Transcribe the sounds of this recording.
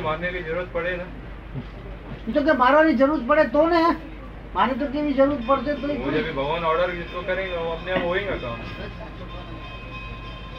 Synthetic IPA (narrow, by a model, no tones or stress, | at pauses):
maːnːekid͡ʒɐɾuɾət̪̚pɐɽenaː | it̪ok̬emaːɾaɾid͡ʒɐɾuːɾət̪̚pɐɽet̪oːneɛ̃ | maːnet̪̬ok̬ebʱid͡ʒɐɾuːɾət̪̚pɐɽt̪̬et̪oimd͡ʒɐbʱibʱɐɡʋaːnɔːɾɖəɾɪskokɐɾẽːŋɡeɐpneapɦoːẽːŋɡakaːm